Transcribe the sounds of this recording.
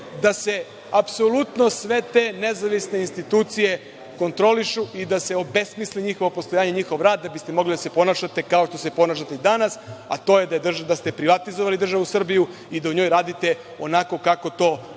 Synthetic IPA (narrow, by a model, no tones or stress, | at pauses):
d̪ase̞ | apso̞lut̪no̞sʋe̞t̪e̞ːnezaʋisne̞inst̪it̪uːt̪sije̞ | ko̞nt̪ɾoliʃuid̪ase̞o̞be̞smisliɲixo̞ʋo̞post̪ojaːɲeɲixo̞ʋɾaːd̪d̪abist̪e̞mo̞ɡlid̪ase̞po̞naːʃat̪e̞kaoʃt̪o̞se̞po̞naːʃ̬at̪eid̪anasa̰t̪o̞ːje̞d̪aed̪r̩ʒd̪ast̪e̞pɾiʋat̪izoʋalid̪r̩ʒaʋusr̩biju | id̪auɲo̞jɾaːd̪it̪e̞ | o̞nako̞kako̞t̪o̞ː